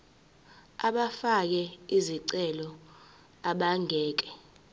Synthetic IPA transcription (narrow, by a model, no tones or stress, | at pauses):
aɓafak̬ɛiziǀɛlɔ | aɓaŋʱɛːk̬ɛ̥